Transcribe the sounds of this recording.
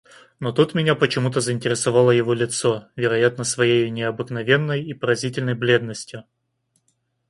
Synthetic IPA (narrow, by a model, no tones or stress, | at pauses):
not̪ut̪mʲɪnʲapət͡ɕɪmut̪̬əzəɪnʲtʲɪɾʲɪsɐvɑlˠəjɪvo̞lʲɪt̪so̞vʲɪɾɐjat̪̚nəsvɐjejʊnʲɪɐbɨknɐvʲe̞nːəjipəɾɐzʲitʲɪlʲnəjblʲe̞d̪nəsʲtʲjʊ